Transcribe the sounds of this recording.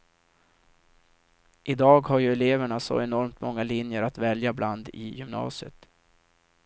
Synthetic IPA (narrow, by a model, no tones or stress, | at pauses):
ʔɪd̪ɑːɡhaɾjɵɛleːvəɳasɔ̰ɛnɔɾmt̪mɔŋːalɪnjəɾat̪vɛljabland̪ɪ̰jʏmnɑ̰ːsɪə̰t̪